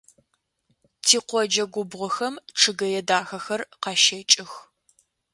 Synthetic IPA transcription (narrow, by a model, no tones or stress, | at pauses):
tʰiːqʷɔd͡ʒɐɡʷʊbʁʷɔxɐmʈ͡ʂʰɨɡɐjɛdaːxɐxɐrqɑʃet͡ʃʼɪx